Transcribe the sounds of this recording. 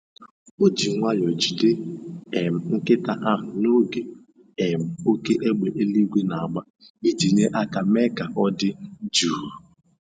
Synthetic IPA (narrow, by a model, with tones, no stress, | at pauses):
o˦d͡ʒi˨ŋʷa˦jɔ˨d͡ʒu˨de˦e˨m̩˨ŋ̩˦kɪ˦ta˨ʔa˦ɦʊ˨no˦ɡe˨ | e˨m̩˨o˦ke˦ʔe˦ɡ͡be˨ʔe˦li˦ɡʷe˦na˨a˨ɡ͡ba˦ | i˦d͡ʒi˨ɲe˦ʔa˦ka˨me˦ka˨ʔɔ˦dɪ˦d͡ʒu˦˨u˨